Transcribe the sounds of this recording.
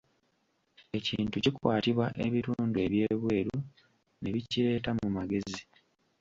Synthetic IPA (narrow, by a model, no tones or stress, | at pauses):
e̞ciːntucikwaːtiβwaʔe̞βituːndue̞βje̞ːβwe̞ːɾu | neβiciɾe̞ːtamumaɡe̞zi